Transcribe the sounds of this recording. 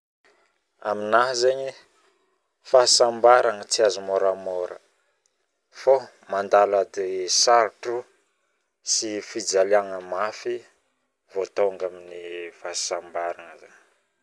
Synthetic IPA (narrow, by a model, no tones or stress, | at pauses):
a̰minaɦzeɲi | fasambaɾaŋət͡siazumoɾamoɾə̰ | fo | mand̪alad̪esaɾʈ͡ʂu | sifid͡zaliaŋəmafi | vot̪aaŋɡaminifasambaɾaŋəza̰ɲ